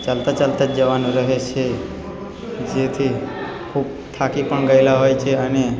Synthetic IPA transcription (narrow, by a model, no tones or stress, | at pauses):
t͡ʃəlt̪at͡ʃalt̪ad͡ʒəʋanũɾəɦet͡ʃʰe | d͡ʒet̪ʰi | kʰub̚ | t̪ʰakipəɳɡəjlaɦojt͡ʃʰeəne